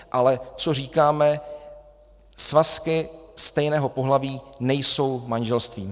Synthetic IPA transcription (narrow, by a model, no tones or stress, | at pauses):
ʔalɛt͡so̞r̝iːkaːmɛ | svaskɪst̪ɛjnɛːɦo̞po̞ɦlaviːnɛjso̞wmanʒɛlst̪viːm